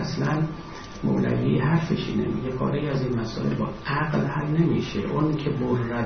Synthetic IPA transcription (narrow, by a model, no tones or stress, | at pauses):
slæn | mo̰læ̰vihæɾfeʃḭːnḛmḭːɟekʰɒ̰ːɾeiæziːnmæsɒ̰ːʔe̞̰lbɒːæɣlhæmnemiːʃḛʔoncʲʰeboɾːæ